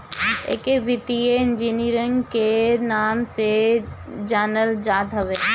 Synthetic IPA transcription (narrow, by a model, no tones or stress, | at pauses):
ḛːkebɪt̪ijeɪnd͡ʒiːniɾə̃ŋɡkenaːmse | d͡ʒaːnəld͡ʒaːd̪ʱɦɐʋeː